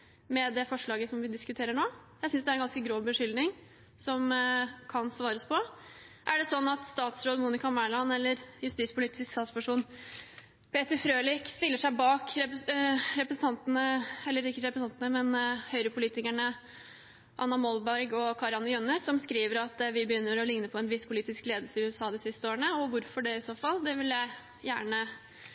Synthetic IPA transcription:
mɛd̪ɛfɔʂɭɑːɡəsɔmʋɪd̪ɪskʉt̪ʰeːɾəɳoːjæɪsʏnsd̪ɛæɾɛnŋɡɑnskəɡɾoːʋbəʂʏlnɪŋ | sɔmkʰɑnsʋɑːɾəspʰɔ | ʔæɖɛsɔnːɑt̪st̪ɑːt̪sɾoːd̪muːnɪkɑmæɭɑnɛlːəɾjʉst̪iːspʰʊliːt̪ɪskst̪ɑːt̪spæʂuːn | pʰeːt̪əɾfɾøːlɪkst̪ɪlːəʂæɪbɑːkɾɛɾɛpɾəsn̩t̪ɑnt̪ənəɛlːəɾɪkːəɾɛpɾəsɑnt̪ənəmɛnhœʏɾəpʰʊliːt̪ɪkæɳə | ʔɑnːɑmɔlbæɾɡɔkʰɑɾɪɑnːəjœnːəsɔmskɾiːʋəɾɑt̪ʋɪbəjʏnːəɾɔlɪŋnəpʰɔɛnʋɪspʰʊliːt̪ɪskleːd̪əlsəɪʉːɛsɑːd̪ɪsɪst̪əoːɾəɳəɔʋʊɾfɔɖɛɪsoːfɑlːd̪ɛʋɪljæɪ | jæ̰ːɳə

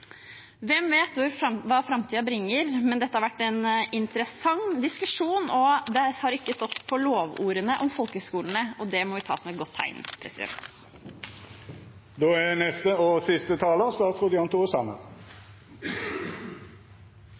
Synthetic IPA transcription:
ʋɛmʋeːt̪ʋʊɾʋɑːfɾɑmt̪ʰiːɑbɾɪŋːəɾmɛnd̪ɛt̪ːəhɑɾʋæʈːɛnɪnt̪əɾəsɑŋd̪ɪskʉʂuːnɔd̪ɛhɑɾɪkːəst̪ɔt̪ːpʰɔloːʋṵːɾənəʔɔmfɔlkəskuːlənəɔd̪ɛmɔʋɪt̪ʰɑ̰ːsmɛt̪̚ɡɔt̪ʰːæ̰ɪnpʰɾɛ̰sɪd̪ɛ̰nt̪ | d̪oːænɛst̪əɔsɪst̪ət̪ʰɑːləsɑːsʁud̪jɑnt̪ʰuːəsɑmə̰n

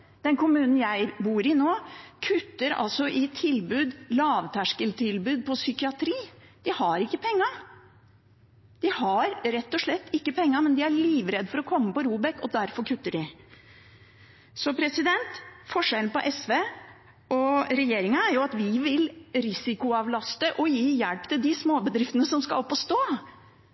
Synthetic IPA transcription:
d̪̥ɛnkʊmʉːnn̩jæɪbuːɾɪnoːkʰʉt̪ːəɾɑ̰lsɔʔɪt̪ʰɪlbʉːd̪lɑːʋt̪ʰæʂkəlt̪ʰɪlbʉːd̪̚pʰɔsʏkɪɑt̪ʰɾiː | d̪̥ɪhɑɾɪkːəpʰɛŋːə | d̪̥ɪhɑɾɾɛt̪ːɔʂɭɛt̪ːɪkːəpʰɛŋːəmɛnd̪ɪæɾɭiːʋɾɛd̪fɔɾɔkʰɔmːəpɔɾuːbɛkɔd̪æɾfɔɾkʰʉt̪ːəɖɪ | sɔpʰɾɛsɪd̪ɛnt̪fɔʂɛln̩pɔʔɛsʋeː | ɔɾɛjeːɾɪŋəæɾjʊɑt̪ʋɪʋɪlɾɪsɪkʊɑʋlɑst̪əʔɔjiːjɛlpt̪ʰɪld̪ɪsmoːbəd̪ɾɪft̪ənəsɔmskɑ̰ɔpːɔst̪oː

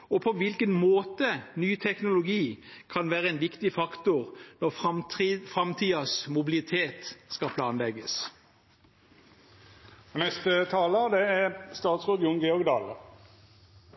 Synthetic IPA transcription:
ɔpʰoʋɪlkənmoːt̪ənyːt̪ʰɛknʊlʊɡiːkʰɑnʋæːʁəɛnʋɪkt̪ɪfɑkt̪ʊʁnɔʁ | fʁɑmt̪ʰiːɑsmʊbɪlɪt̪ʰeːt̪skɑpʰlɑːnlɛɡəs | ɔnɛst̪ət̪ʰɑːləɑd̪ɛæst̪ɑːt̪sʁɛɡ̪ɪuːnɡeɔɡd̪ɑːlə

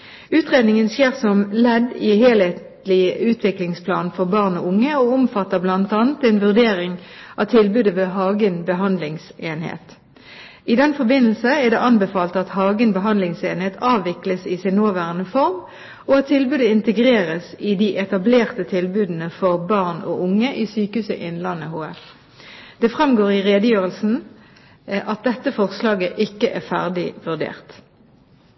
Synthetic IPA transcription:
ʉːt̪ʁeːd̪nɪŋənsjeːʁsɔmlɛd̪ɪɦeːlheːt̪ | lɪʔʉːt̪ʰʋɪklɪŋspʰlɑ̰ːnfɔʁbɑʁnoːʊŋːəoʊmfɑt̪ːəblɑnt̪ɑːnt̪ɛːnʋʉʁd̪eːʁɪŋʔɑʋt̪ʰɪlbʉːd̪əʋeːɦɑːɡənbəɦɑnd̪lɪŋseːnhḛːt̪ | ɪd̪ɛnfɔʁbɪnl̩səæʁd̪ɛːʔɑnbəfɑːlt̪ɑt̪hɑːɡənbəɦɑnd̪lɪŋseːnheːt̪ʰɑːʋʋɪkləsɪsɪnoːʋæːʁənəfɔʁm | oɑt̪ʰːɪlbʉːd̪əɪnt̪əɡʁeːʁəsɪd̪iʔɛt̪ɑbleːʁt̪ət̪ʰɪlbʉːd̪n̩əfɔʁbɑʁno̰ːʔʊŋːəʔiːsyːkəhʉːsə̰ʔɪnlɑnəhoːɛf | d̪̥ɛfʁɑmɡoːʁɪʁeːd̪əjøːʁəlsn̩ | ʔɑt̪̚d̪ɛt̪ːəfɔʁslɑːɡəʔɪkːəʔæʁfæ̰ʁd̪ɪʋʉʁd̪ḛːʁt̪

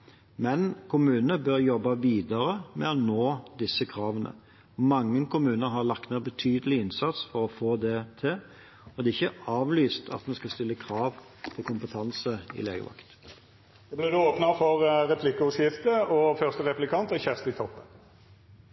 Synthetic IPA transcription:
mɛnkʰʊmʉːnəbœʁjɔbːɑʋiːd̪ɑɾəmɛɔnoːd̪ɪsːəkʰɾɑːʋənə̰ | mɑŋːənkʊmʉːnəɾɦɑʁlɑk̚t̪neːbət̪ʰyːd̪əlɪɪnsɑt̪sfɔɾɔfoːd̪ɛt̪ʰɪl | ɔd̪ɛɪçːəɑːʋlyːst̪ʰɑ̰t̪mɛskɑst̪ɪlːəkʰɾɑːʋ | t̪ʰɪlkʊmpət̪ʰɑnsəɪ̰lḛːɡə̰ʋɑ̰kt̪ | d̪ɛblɪd̪ʉoːpnɑfɔʁʁɛpʰlɪkːəʉsjɪft̪əɔfœʁst̪əʁɛplɪkʰɑnt̪əçæʁst̪ɪt̪ʰɔpːən

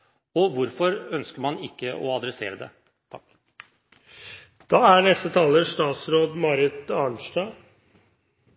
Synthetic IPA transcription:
ɔʋʊɾfɔɾœnskəɾmɑnɪkːəʔɔ̰ɑd̪ɾɛsḛːɾəd̪ɛ̰ | t̪ʰɑk | d̪̥ɑːæɳɛst̪ət̪ʰɑːləʂt̪ɑːt̪sɾoːd̪mɑːɾɪt̪ɑːɳʂdɑː

